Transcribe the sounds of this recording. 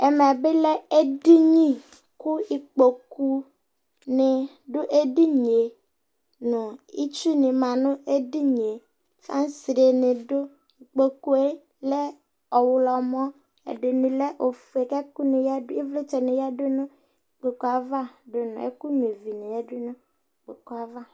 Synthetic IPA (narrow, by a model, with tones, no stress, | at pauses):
ɛ˨m˨a˨bɪ˦lɛ˦e˦di˦ɲĩ˦ | kʊ˦i˨k͡po˨ku˨ | nɪ˨ | ɖʊ˦ʔe˦di˦ɲ˨e˨ | nʊ̃˨ḭ˦t͡ʃu˦nɪ̃˨mã˨nʊ̃˦e˦di˦ɲ˨e˨ | fa˦n˦sɾe˨nɪ̃˨dʊ˦ | i˨k͡po˨ku˦e˦ | lɛ˦ | ɔ˨wʊ˨lɔ˨m˦ɔ˦ | ḛ˨dɪ˨nɪ̃˨lɛ˦ʔo˨fe˨kɛ˦ku˦nɪ˨ja˦dʊ˦e˦vle˦t͡ʃɛ˨nɪ̃˨ja˦dʊ˦nʊ̃˦ | i˨k͡po˨ku˨˦a˨va˦˨dʊ˦nʊ̰̃˨ḛ˦ku˦ɲ˨e˨vi˨nɪ˨ɛ˦dʊ˦nʊ̃˦˨ | k͡po˨ku˦a˨va˦